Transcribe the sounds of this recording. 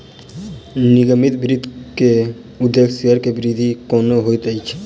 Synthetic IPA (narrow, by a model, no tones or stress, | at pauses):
nɪɡəmɪt̪bɪɾɪd̪ʱke | ʊd̪ːekʰsiəɾkebɪɾɪd̪ʱikɔːnoɦoit̪əit͡ʃʰː